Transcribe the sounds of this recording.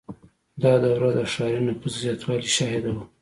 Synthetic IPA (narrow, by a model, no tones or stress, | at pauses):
d̪ɑd̪awɾad̪əʂɑɾunapəzzjɑt̪wɑliʃɑhɪd̪awa